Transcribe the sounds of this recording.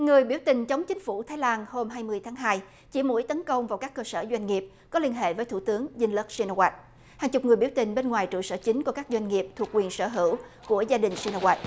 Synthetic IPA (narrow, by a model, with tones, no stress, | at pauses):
ŋɨ˨˩əjɓi˧˩əwt̪ï˨˩ŋ̟t͡ɕə˨˦wŋ͡mt͡ɕï˨˦ŋ̟fu˧˩t̪ʰaː˨˦jlaː˧nho˧mɦaː˧jmɨ˧əjt̪ʰaː˨˦ŋɦaː˧j | t͡ɕḭ˧˩mṵ˧˥jt̪ə˨˦nkə˧wŋ͡mvaː˨˩wkaː˦˥kːəː˧səː˧˩zwa˧jŋ̟ŋi˨˩əp̚kɔ˨˦li˧ənɦḛ˧˨vəː˨˦jt̪ʰu˧˩t̪ɨ˨˦əŋzi˧nlə˦˥k̚si˧na˧wa˦˥t̚ | haː˨˩ŋt͡ɕʊ˨˩k͡p̚ŋɨ˨˩əjɓi˧˩əwt̪ï˨˩ŋ̟ɓe˧nŋwaː˨˩jt͡ɕɨ̰˧˨səː˧˩t͡ɕï˨˦ŋ̟ku˧˩əkaː˦˥k̚zwa˧jŋ̟ŋi˨˩əp̚t̪ʰu˨˩ək̚wi˨˩ənsəː˧˩ɦɨ̰˧˩˨wku˧˩əzaː˧ɗï˨˩ŋ̟si˧nə˧ɣwa˨˥t̚